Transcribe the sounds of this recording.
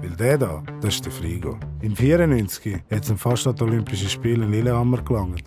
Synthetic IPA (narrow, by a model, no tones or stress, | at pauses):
vɪldɛdɑ̰ːd̥ɔʃtəfɾiːɡo̰ːɪmfiːəɾənynt͡sɡ̥ihɛtsɪmfɑʃtatolympɪʃ̬əʃpiːlɪnlɪləhɑmːəɾklɑŋːət